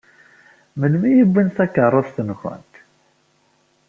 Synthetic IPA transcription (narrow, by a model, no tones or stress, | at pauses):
məlmijəbːənθækərˤːəðθənχə̰nt̪